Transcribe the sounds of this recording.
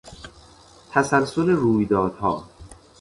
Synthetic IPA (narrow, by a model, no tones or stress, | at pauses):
t̪ʰæsælsoleɾuːjd̪ɒːd̪̥hɒ̰ː